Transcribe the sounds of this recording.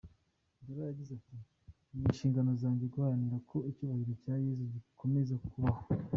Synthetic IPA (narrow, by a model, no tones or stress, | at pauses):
ndoɾajaɟizati | minʃiːŋɡano̞zaːɲɟeɡuhaniɾakʰo̞icuːβahiɾocaːje̞zuɟikʰo̞me̞zakʰuβaho